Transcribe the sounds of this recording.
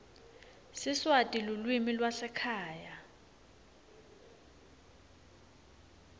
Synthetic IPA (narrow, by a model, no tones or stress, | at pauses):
siswatʼilulwimilwasɛkʰaːja